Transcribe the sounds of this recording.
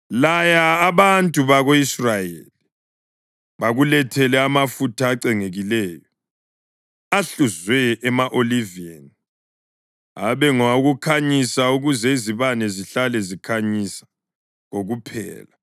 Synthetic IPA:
lajaːβantʼuβaɣoisrajḛli | βaɣulɛtʰɛlɛamafutʰaːǀɛŋeɣilɛːjɔ | aɬuzwɛːmaʔolivieni | a̰βɛŋauɣukʰaɲisauɣuzɛiziβanɛziɬalɛzikʰaɲisḁ | ŋoɣupʰɛ̰ːla

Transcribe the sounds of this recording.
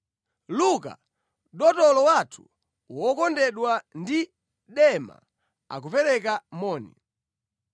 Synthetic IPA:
luka̰ | ɗɔtɔlɔwatʰu̥ | wɔkɔndɛɗwandi | ɗɛma̰ | a̰k̬upɛɾɛkamɔːnḭ

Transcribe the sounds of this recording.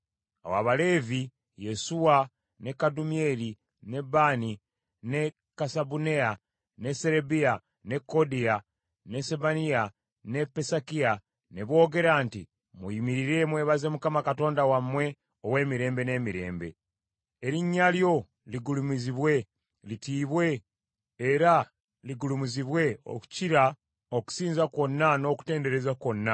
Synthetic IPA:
a̰wa̰βale̞ːvi | je̞suwa | ne̞kadumie̞li | ne̞bani | ne | kasabunea | ne̞seɾebia | ne̞kodia | ne̞seβania | ne̞pesakia | neβo̞ɡe̞ɾaːnti | muimiɾiɾe̞mwe̞ːβaze̞mukamakato̞ːndawamwe̞ | owe̞ːmiɾe̞ːmbe̞ne̞ːmiɾe̞̰ːmbe̞̰ | eɾiɲːaljo̞ | liɡulumiziβwe̞ | litiːβwe̞ː | ɾa | liɡulumuziβwe̞o̰ku̥ciɾa | oku̥siːnzako̞nːano̞ku̥te̞ːnde̞ɾe̞zako̞nːa

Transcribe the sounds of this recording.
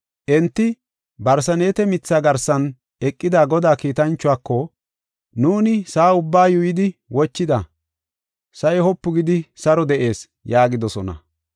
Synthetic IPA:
ʔɛnt̪ːɪ | bɐɾs̬ɐneːt̪ɛmɪt͡sːaːɡɐɾsɐn | ʔɛkʼːɪd̪aːɡɔd̪aːkiːt̪ɐnt͡ʃːʊaːkːɔ | nuːnɪsaːʊbːaːjʊjɪd̪ɪwɔt͡ʃːɪd̪ɐ | sɐjɛhɔpːʊɡɪd̪ɪsɐɾɔd̪ɛʔe̞ːs | jaːɡɪd̪ɔsɔnɐ̰

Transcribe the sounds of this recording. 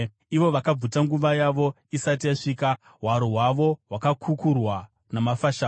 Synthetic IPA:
iʋo̞ʋakab͡vutaŋɡuʋajaʋo̞ | isat̬ijaʂiːka | ɦwaɾoɦwaʋo̞ɦwakakʰukurwa | namafaʃaː

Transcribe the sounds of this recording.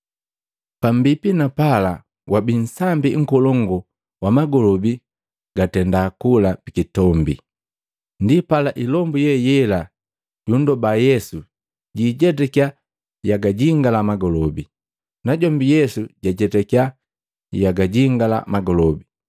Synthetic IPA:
pambipinapala | wabin̩sambiŋ̩kɔlɔŋɡɔ | wamaɡɔlɔbi | ɡ̥atɛndakulapikitɔmbḭ | ndipalaʔilɔmbujɛjɛla | ɟundɔbajɛsu | ɟiɟɛtɛkia | jaɡaɟiŋɡalamaɡɔlɔbi | naɟɔmbijɛsuɟaɟɛtɛkia | jaɡaɟiŋɡala̰maɡɔlɔbi

